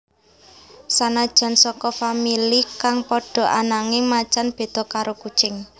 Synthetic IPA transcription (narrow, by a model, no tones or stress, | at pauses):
sanad̥ʒ̥ä̤nsɔkɔfamilikaŋpɔɖ̥ɔ̤ʔanaŋɪŋmat͡ʃanb̥e̤d̪̥ɔ̤kaɾoku̥t͡ʃɪŋ